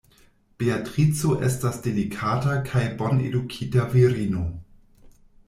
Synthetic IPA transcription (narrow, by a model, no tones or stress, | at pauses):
b̥eatʁit͡soʔestasdelikʰatakʰajbo̞nḛdukʰitaviɾino